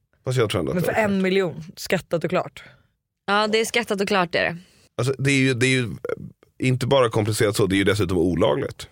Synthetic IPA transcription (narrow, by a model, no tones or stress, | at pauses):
fast̪jɑɡt̪ʰɾuːɛna̰mɛfœɾɛnmɪljuːnskat̪ːat̪ɔkʰlɑ̰ːʈ | ɑːd̪ɛːskat̪ːat̪ɔkʰlɑːʈæ̰ɾɛ̰ | als̬ɔd̪ɛæɾjɵd̪ɛːɾjɵ | ɪnt̪əbɑːɾakʰɔmplɪseːɾat̪sɔd̪ɛæɾjɵd̪ɛs̬ʉ̟ːt̪ɔmuːlɑ̰ːɡlɪ̰ɡt̪